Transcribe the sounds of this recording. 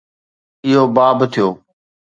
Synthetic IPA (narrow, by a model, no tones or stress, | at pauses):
ɪɦoːbaːbt̪ʰɪjoː